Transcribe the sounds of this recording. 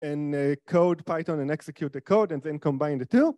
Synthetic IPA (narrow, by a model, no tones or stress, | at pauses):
ɛ̃nkʰoʊdpʰaɪtɔ̃nɛ̃nɛksɛkʰjut̪̚ðəkʰoʊdɛ̃nðɛ̃nkɔ̃mbãɪ̃ndtʰu